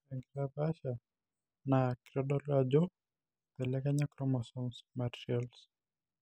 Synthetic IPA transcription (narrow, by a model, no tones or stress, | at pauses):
aŋɡiɾabaʃa | nakɾɔɗɔlad͡ʒɔ | pɛlɛkaɲakɾɔmasɔnsmaɾʃiɔls